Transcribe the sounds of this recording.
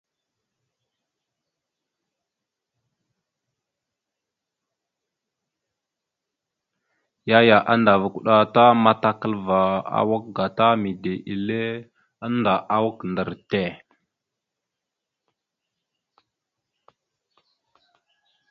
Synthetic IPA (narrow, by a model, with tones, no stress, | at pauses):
ja˦ja˨ʔa˦nda˨vu˨ku˨ɗa˨ta˦ma˦ta˦kə˦lva˨a̰˦˨wa˦k̚ɡa˨ta˦mi˨de˨ʔi˨le˦ | a˦nda˨ʔa˦wa˦kndə˨ɾte˦˨